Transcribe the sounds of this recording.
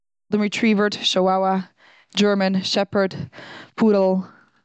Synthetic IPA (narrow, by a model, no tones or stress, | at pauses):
də̃mɹitʰɹiːvə˞dʃoawə | d͡ʒɜ˞mə̃nʃɛpə˞dpʰuɾl̩ˠ